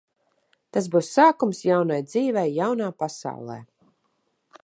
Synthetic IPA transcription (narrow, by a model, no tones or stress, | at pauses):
t̪azbuːsːaːkumsjawnajd̪ziːvɛjːawnaːpasa̰wlˠɛ̰ː